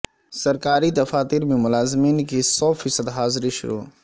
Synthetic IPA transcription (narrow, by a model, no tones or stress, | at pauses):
sɐɾkaːɾid̪ɐfaːt̪iːɾmẽmʊlaːzmiːnkisɔːfʰiːsəd̪ɦaːzɾiʃʊ̰ɾṵː